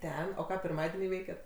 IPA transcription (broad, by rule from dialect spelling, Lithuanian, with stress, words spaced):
ˈtʲɛn oː ˈkɑː pʲɪrˈmɑːdʲiɛnʲiː ˈʋʲɛɪkʲɛt